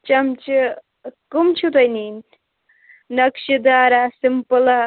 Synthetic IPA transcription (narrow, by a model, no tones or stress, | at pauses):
t͡ʃɐmt͡ʃi | kumt͡ʃʰut̪ɐjnin | nɐkʃid̪aːɾasimpɨlɐ